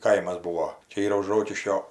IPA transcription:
ˈkɐɪmɐs ˈbuːoː ˈt͡ʃʲɛ ˈiːrɐ ʊʃ ˈroːkʲɪʃʲkʲoː

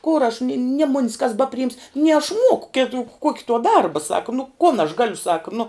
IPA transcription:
koːr ɐʃ nʲɪ nʲiɛ mʊnʲs kɐs ˈbɑːpʲrʲɪɪms nʲiɛ ɐʃ ˈmuɔkʊ ˈkʲɪtʊ ˈkuɔkʲɪ tuɔ ˈdɐrbɐ ˈsɑːkɐ nʊ koːn ɐʃ ˈɡɑːlʲʊ ˈsɑːkɐ nʊ

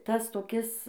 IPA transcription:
ˈtɐs toːˈkʲɪs

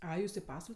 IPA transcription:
ˈɐɪ ˈjuːs ɪ ˈpɑːsʋɐlʲ

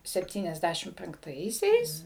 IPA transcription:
sʲɛpʲˈtʲiːnʲɛzʲˌdʲæʃʲɪm pʲɛŋkˈtɐɪsʲɛɪs

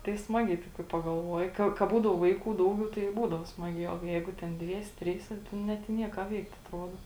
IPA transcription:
tɐɪ ˈsmɑːɡʲɛɪ kɐɪ pɐɡɐlˠˈʋuɔjɪ ˈkɐ kɐ ˈbuːdɐʊ ˈʋɐɪˌkuː ˈdɐʊˌɡʲɛʊ tɐɪ ɪ ˈbuːdɐʋoː ˈsmɑːˌɡʲæː oː ˈjɛɪɡʊ ˈtʲɛn ˈdʲʋʲiɛsʲɛ ˈtʲrʲiːsʲɛ ˈnʲɛt ɪ ˈnʲiɛ kɑː ˈʋʲɛɪkt ɐtˈruɔdoː

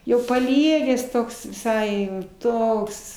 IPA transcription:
jɛʊ pɐˈlʲiɛɡʲæːs ˈtoːks ʋʲɪˈsɐɪ jɛʊ ˈtoːks

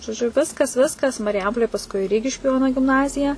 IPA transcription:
ʒoːˈd͡ʒʲʊ ˈʋʲɪskɐs ˈʋʲɪskɐs mɐrʲɪˈjɛmpoːlʲeːj pɐsˈkʊɪ ˈrʲiːɡʲɪʃʲkʲʊ ˈjoːnoː ɡʲɪmˈnɑːzʲɪjɛ

